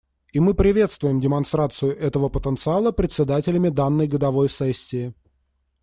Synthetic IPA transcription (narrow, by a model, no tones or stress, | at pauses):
imɨpɾʲɪvʲe̞t̪st̪vʊjɪmdʲɪmɐnst̪ɾat̪sɨjʊʔɛt̪əvəpət̪ənt̪sɨalˠəpɾʲɪt̪ʲsʲɪd̪atʲɪlʲɪmʲɪd̪anːəjɡəd̪ɐvo̞jsɛsʲːɪː